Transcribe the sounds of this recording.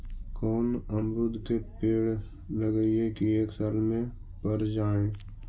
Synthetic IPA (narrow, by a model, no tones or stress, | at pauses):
kɔːnəmɾʊd̪ʱkepeːɽ | ləɡəiekieːksaːlmẽ | pəɾd͡ʒaːẽː